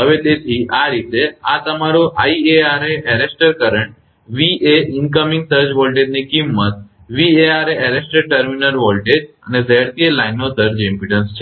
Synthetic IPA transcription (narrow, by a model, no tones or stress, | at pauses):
əʋed̪et̪ʰiʔaɾit̪eat̪əmaɾoʔaieaɾeʔɛɾesʈəɾkəɾəɳʈ̚ | ʋieɪŋkəmĩŋɡsəɾd͡ʒʋolʈed͡ʒnikimːət̪̚ | ʋieaɾeɛɾesʈəɾʈəɾminəɾʋɔlʈed͡ʒə̰nezʱeɽk̪elainːod̪əɾd͡ʒɪ̃mpiʈənst͡ʃʰe